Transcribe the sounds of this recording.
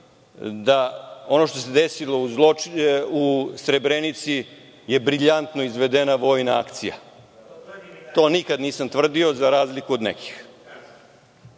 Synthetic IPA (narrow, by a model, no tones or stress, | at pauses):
d̪ao̞noʃt̪o̞se̞d̪esilo̞uzlousɾebɾenit̪si | je̞bɾiʎant̪no̞izʋe̞d̪enaʋo̞jna̰a̰kt̪sḭja̰ | t̪o̞ːnikad̪niːsamt̪ʋr̩d̪io̞zaɾaːzlikuod̪nḛkʰi̥x